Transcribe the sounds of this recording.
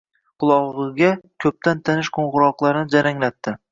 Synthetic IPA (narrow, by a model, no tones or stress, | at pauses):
qʰʊlˠɒʁɨɡʲakʲʰɵp̚t̪ʰant̪ʰanɪʃqʰoɴʁʊɾɒqlˠaɾnɪd͡ʒaɾaŋlat̪ːɪ